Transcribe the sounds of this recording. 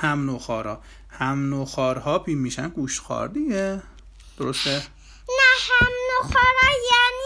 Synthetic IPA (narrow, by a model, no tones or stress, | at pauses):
hæmnoxɒːɾɒː | hæmnoxɒːɾhɒːpʰiːmmːiːʃænɡuʃt̪xɒ̰ːɾd̪iɡe | d̪̥oɾost̪e | næhæmnoxɒːɾɒːjæni